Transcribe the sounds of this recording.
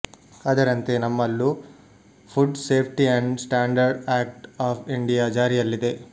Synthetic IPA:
ɐd̪ɐɾɐnt̪e̞nɐmːɐlːu | pʰuɖseːpʰʈiɐɳɖsʈaːɳɖɐɾɖaːk̚ʈaːpʰiɳɖijaːd͡ʒaːɾijɐlːid̪e̞

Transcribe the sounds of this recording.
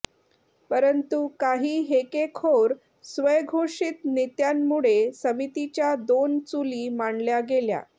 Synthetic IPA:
pəɾənt̪ukaɦiːɦekekʰoɾ | sʋəjɡʱoʂit̪nit̪jamːuɭesəmit̪it͡ɕjad̪ont͡suliːmaɳljaɡelja̰

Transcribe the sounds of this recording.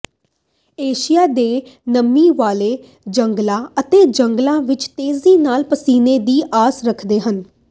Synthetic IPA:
eːʃijaːd̪eːnəmːiːʋaːleː | d͡ʒəŋɡlãːət̪eːd͡ʒəŋɡlãːʋɪt͡ʃt̪eːziːnaːlpəsiːneːd̪iːʔaːsɾəkʰd̪eːɦən

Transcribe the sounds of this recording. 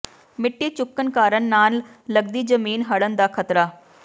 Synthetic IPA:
mɪʈːiːt͡ʃʊkːənkaːɾənːaːlləɡd̪iːzəmiːnɦəɽənd̪aːkʰət̪ɾaː

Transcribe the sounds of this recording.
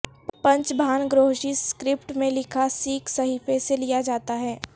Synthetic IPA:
pɐ̃ɲt͡ʃbʱaːnɡɾoːɦʃiskɾɪpʈmẽlɪkʰasiːksɐɦiːfeselijad͡ʒaːt̪aɦɛː

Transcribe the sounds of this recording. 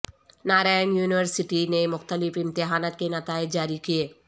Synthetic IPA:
naːɾaːjənjuːnɪʋəɾsɪʈinemʊxt̪əlɪfɪ̃mt̪ɪɦaːnaːt̪̚kenɐt̪aːɪd͡ʒd͡ʒaːɾikieː

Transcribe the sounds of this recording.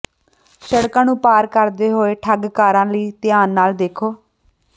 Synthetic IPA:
ʃəɽkãːnũːpaːɾkəɾd̪eːɦoːeːʈʰəɡkaːɾãːliːt̪ɪjaːnːaːld̪eːkʰoː

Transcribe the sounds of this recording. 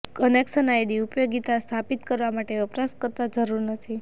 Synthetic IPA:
kənekʃənajɽiupjoɡit̪ast̪ʰapit̪kəɾʋamaʈeəpɾaskəɾt̪ad͡ʒəɾuɾnət̪ʰi

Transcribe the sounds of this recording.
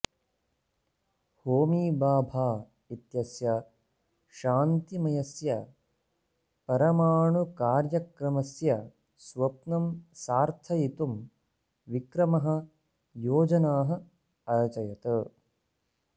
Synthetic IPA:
hoːmiːbaːbʱaː | it̪jɐsjɐ | ʃaːnt̪imɐjɐsjɐ | pɐɾɐmaːɳukaːɾjɐkɾɐmɐsjɐ | swɐp̚nɐmsaːɾt̪ʰɐjit̪um | ʋikɾɐmɐɦɐ̆ | joːd͡ʒɐnaːɦɐ̆ | ɐɾɐt͡ʃɐjɐt̪ɐ

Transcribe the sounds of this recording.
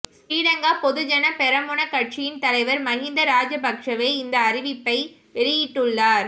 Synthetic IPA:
sʈiːɽɐŋɡaːpɔðɯd͡ʒɐnɐpɛɾɐmʊɳɐkɐʈ̚t͡ʃɪjɪnt̪ɐlɐɪʋɐɾmɐɣɪnd̪ɐɾaːd͡ʒɐbɐkʂɐʋeːɪnd̪ɐːɾɪʋɪpːɐɪ | pɛɾɪjɪʈːɯɭːaːɾ

